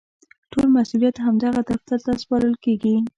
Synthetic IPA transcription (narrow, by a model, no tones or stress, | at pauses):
ʈolmasulijat̪ɦamd̪aɣad̪aft̪aɾt̪aspɑɾəlkeɡi